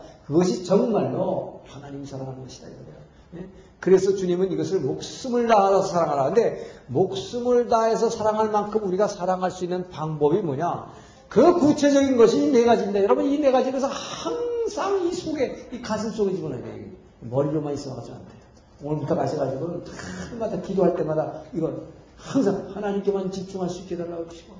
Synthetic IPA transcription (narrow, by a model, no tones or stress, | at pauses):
kɯɡʌɕʰit͡ɕʌŋmaɭdohanaɲimisʰaɾaŋɦannɡʌɕʰi̥d̥a̰iɡʌdejo | je | kɯɾe̞sʰʌt͡ɕuɲimɯniɡʌsʰɯɭmok̚s͈ɯmɯɭdaɦaɾasʰʌsʰaɾaŋɦaɾakɯnde̞mok̚s͈ɯmɯɭdae̞s̬ʰʌsʰaɾaŋɦaɭmankʰɯmuɾiɡasʰaɾaŋɦaɭs͈uinːɯnpaŋbʌbimwʌɲa | kɯkut͡ɕʰe̞d͡ʑʌɡinɡʌɕʰiːne̞ɡad͡ʑimɲidajʌɾʌbɯnine̞ɡad͡ʑies̬ʰʌhaŋsʰaŋisʰoɡe̞ikasʰɯŋs͈oɡed͡ʑimonadeɡo | mʌɾiɾomanis͈ʌnaɡat͡ɕ͈ina̰ntʰejo | oŋɯɭputʰʌkaɕʰiɡad͡ʑiɡonɯntaɯmadakidoɦaɭt͈e̞madaiɡʌn | haŋsʰaŋhanaɲimk͈e̞mant͡ɕip̚t͡ɕ͈uŋɦaɭs͈uik͈edaːaoɡʌɕʰi̥o